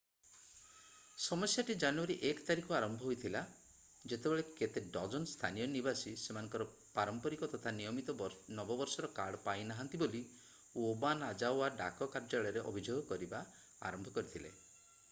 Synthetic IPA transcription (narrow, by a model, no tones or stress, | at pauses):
sɔmɔsjaʈid͡ʒanuaɾiʔekɔt̪aɾikɔaɾɔmbʱɔɦojt̪ʰila | d͡ʒet̪ebeɭeket̪eɖɔd͡ʒɔnst̪ʰa̰nijɔnibasisemanɔŋkɔɾɔ | paɾɔmpɔɾikɔt̪ɔt̪ʰanijɔmit̪ɔnɔbɔbɔɾsɔɾɔkaɽpajnaɦant̪iboli | obanad͡ʒawaɖa̰kɔkaɾd͡ʒaɭɔɾeʔɔ̰bʱid͡ʒoɡɔkɔɾiba | a̰ɾɔmbʱɔkɔɾit̪ʰilḛ